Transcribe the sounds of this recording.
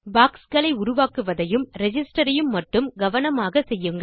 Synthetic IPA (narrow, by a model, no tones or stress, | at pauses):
baːkskɐɭɐɪʊɾʊʋaːkɯʋɐðɐjɯmɾɛd͡ʒɪsʈɐɾɐjɯmːɐʈːɯmɡɐʋɐnɐmaːɣɐsɛjːɯŋɡɐ